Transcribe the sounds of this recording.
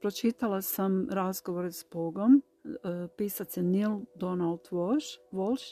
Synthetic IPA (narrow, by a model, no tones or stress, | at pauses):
pɾot͡ʃit̪alˠasamɾazɡo̞ʋoɾesboɡom | piːsat̪senild̪onalˠd̪ʋoʃʋolˠʃ